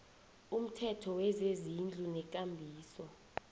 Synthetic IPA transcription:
um̩tʰɛtʰɔwɛzezind͡ɮʱunɛk̬ʼambʱiːsɔ

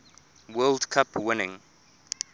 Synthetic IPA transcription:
wɛldkʰapʰwɪnɪ̃ŋ

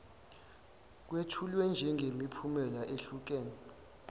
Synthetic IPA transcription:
k̬wetʰulwɛnd͡ʒʱɛŋɡʱemipʰumɛlaʔeɬuk̬eːni

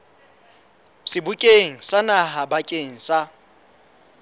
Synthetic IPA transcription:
sɪbʊkʼeŋ̩sanaɦabakʼeŋ̩sa

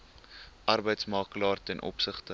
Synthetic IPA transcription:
ʔɐrbəjtsmɑːklɑːrtɛnʔɔ̰psəχtə

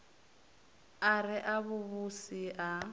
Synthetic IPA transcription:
arɪʔaβuβusiʔa

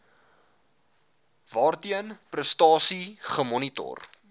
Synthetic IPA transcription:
vɑːrtiənprəstɑːsiχəmɔnitɔ̰r

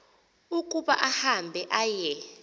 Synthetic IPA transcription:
ukʼuɓa̰ʔahambʱɛʔajɛ

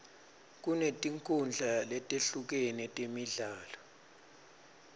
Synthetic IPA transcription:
k̬unetʼiŋkʰund͡ɮʱalɛtʼeɬuk̬ɛnɛtʼemiɮaːlɔ

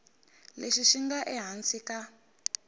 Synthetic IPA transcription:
leʃiʃiŋɡaʔɛɦansika

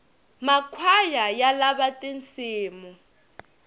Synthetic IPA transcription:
makʰwajajalaβatʼent͡sʰʼiːmu

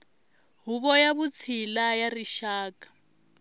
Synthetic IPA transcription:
ɦuβɔjaβut͡sʰilajariʃaːkḁ

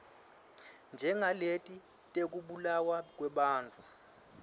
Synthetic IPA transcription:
nd͡ʒʱɛŋʱaletʼi | tʼek̬ʼuɓulawak̬ʼwɛɓaːnt͡fʰu

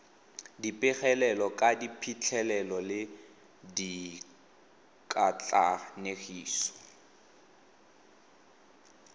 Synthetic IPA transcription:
dipʼɪχɛlɛlɔkʼadipʰit͡ɬʰɛlɛlɔlɪ | di | kʼat͡ɬʼanexiːsɔ̥

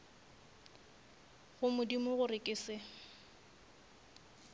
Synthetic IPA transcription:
ɣʊmʊdimʊɣʊrɪkʼɪsɪ

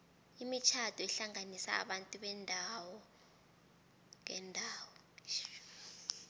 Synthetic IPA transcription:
imit͡ʃʰadʰʱɔɛɬaŋanisa̰ːɓantʼuɓɛndʱawɔ | ŋɛndʱaːwɔ

